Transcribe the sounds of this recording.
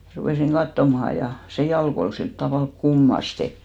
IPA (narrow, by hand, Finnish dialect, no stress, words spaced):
rupeˑsiŋ kɑtːomɑhɑ jɑ se jɑlk ol silt tɑʋɑˑlk kumːɑste